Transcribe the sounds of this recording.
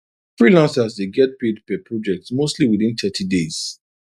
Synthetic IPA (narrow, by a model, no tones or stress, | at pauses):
fɹilãnsasdeɡɛt̚pedpɛpʰɹɔd͡ʒɛk̚tsmostliwiðĩnt̪ʰɛtʰidez̥